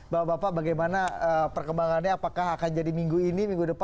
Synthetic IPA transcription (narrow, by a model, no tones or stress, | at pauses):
baabapaʔbaɡajmanaəpərkəmbaŋanɲaːpakaɦakand͡ʒadimiŋɡuinimiŋɡudəpa